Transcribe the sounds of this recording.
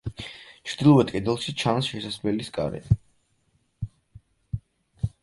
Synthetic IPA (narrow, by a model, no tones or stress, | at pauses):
t͡ʃʰɾd̪ilˠɔvɛt̪̚kʼɛd̪ɛlˠʃit͡ʃʰansʃɛsaslɛliskʼa̰ɾɛ̰